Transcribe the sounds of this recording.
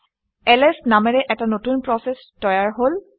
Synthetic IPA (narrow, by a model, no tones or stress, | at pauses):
ɛlɛsnamɛɹɛʔɛtanotunpɹɔses | tɔjaɹɦol